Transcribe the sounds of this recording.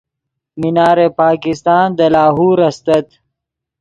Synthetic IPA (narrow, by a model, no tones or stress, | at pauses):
minaːɾepaːkɪst̪ɑːnd̪əlaːɦuːɾɐst̪ɐt̪